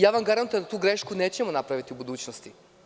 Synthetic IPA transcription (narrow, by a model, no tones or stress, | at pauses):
jaːʋamɡaɾant̪ed̪at̪uːɡɾeʃkune̞ːt͡ɕemonapɾaʋit̪iubud̪uːt͡ɕnost̪i